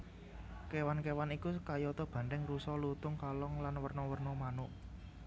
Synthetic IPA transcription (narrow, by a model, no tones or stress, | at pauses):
kewankewanikukajɔt̪ɔb̥ä̤ɳɖɛŋrusɔlut̪ʊŋkalɔŋlanwərnɔwərnɔmanʊʔ